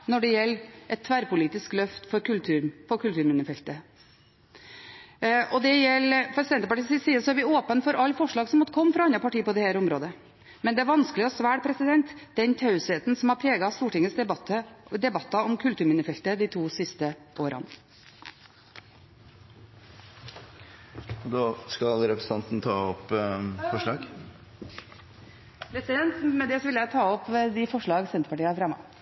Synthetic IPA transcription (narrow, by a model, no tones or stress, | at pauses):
nɔɖɛjɛlːʔɛt̪t̪ʰːʋæɾpʊliːt̪ɪsklœft̪fɔɾkʉlʉːɾpʰɔkʰʉlt̪ʉːɾmɪnəfɛlt̪ə | ʔɔd̪ɛjɛlpʰɾɛsɪd̪ɛnt̪əpɑʈiːsɪsiːəsɔæɾʋɪoːpənfɔɾʔɑlːfɔʂɭɑːɡsɔmɔt̪ːəkʰɔmːfɾɑɑnɾɑpɑʈiːpɔd̪ɛhæːɾʊmɾoːd̪ə | mɛnd̪ɛæɾʋɑnskəlɪɔsʋæːɽpʰɾɛsɪd̪ɛnt̪d̪̥ɛnt̪ʰɑʉsheːt̪n̩sɔmhɑɾpʰɾeːɡɑst̪uːʈɪŋəsd̪ɛt̪əd̪ɛbɑt̪ːɑɔmkʰʉlt̪ʉːɾmɪnɪfɛlt̪əd̪iːt̪ʰuːsɪst̪ə | oːɾʔɑ̰n | ɔd̪ɑːskɑlɾɛpɾəs̩ɑnt̪n̩t̪ʰɑːɔpfɔʂɭɑːɡ | pʰɾɛsɪd̪ɛnt̪mɛd̪ɛsɔʋɪljæɪt̪ʰɑːɔpd̪ɪfɔʂɭɑːɡsɛnt̪əpɑʈiːɑfɾɑmːɑ̰